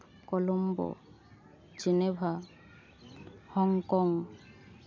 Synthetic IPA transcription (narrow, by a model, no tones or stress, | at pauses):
kɔlɔmbɔ̰ | d͡ʒinebʱa | hɔŋkɔŋ